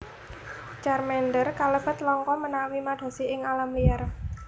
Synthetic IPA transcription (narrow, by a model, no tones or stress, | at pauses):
t͡ʃarmɛnɖərkaləb̥ə̤t̪lɔŋkɔmənawimaɖ̪̥a̤siɪŋalamliar